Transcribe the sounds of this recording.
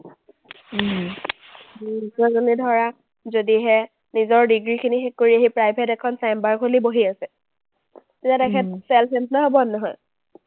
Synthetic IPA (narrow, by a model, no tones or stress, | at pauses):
dusɔzonidʱɔɹak | zodiɦɛ | nizɔɹdiɡɹikʰinixekːoɹiaɦipɹajpʰɛtɛkʰɔnsambaɹkɦoliboɦiasɛ | iatɛkʰɛt̚sɛlsɛntlaɦobɔnɔɦɔj